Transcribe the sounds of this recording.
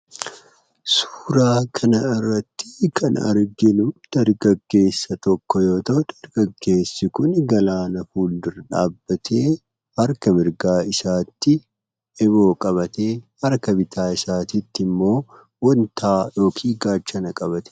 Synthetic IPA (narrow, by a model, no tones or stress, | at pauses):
su̥ːɾaːkʰɐnɐɪrːɐt̪ːɪ̥kʰɐnɐ̰ɾɡɪnʊmd̪̥ɐɾɡɐɡːe̞ːsːɐt̪ɔkːɔjo̞ːt̪ɐʔʊd̪̥ɐɾɡ̥ɐɡːe̞ːsːɪkʊnɡɐlaːnɐfuːld̪ɪɾᶑa̰ːbːɐt̪ʰe̞ː | hɐɾkɐmɪɾɡaːɪsaːt̪ːɪ | ɛbo̞ːkʼɐβɐt̪eːhɐɾkɐbɪt̪ʰaːɪsaːt̪ɪt̪ːɪmːo̞ː | wɐnt̪ʰaːjo̞ːkʰiːɡaːt͡ʃːɐnɐkʼɐbɐt̪ɛ̥